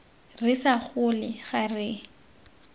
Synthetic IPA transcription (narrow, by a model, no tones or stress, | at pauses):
rɪsaχʊlɪχarɪ